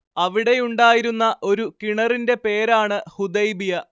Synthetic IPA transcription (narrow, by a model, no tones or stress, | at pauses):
ɐʋiɽe̞juɳɖaːjiɾunːɐʔo̞ɾukiɳɐrinde̞pe̞ːɾaːɳɨhud̪ɐjbijɐ